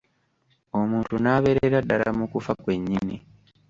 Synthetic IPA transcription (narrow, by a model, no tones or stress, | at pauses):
o̞muːntunaːβe̞ɾeɾadaɾamukufakwe̞ɲːini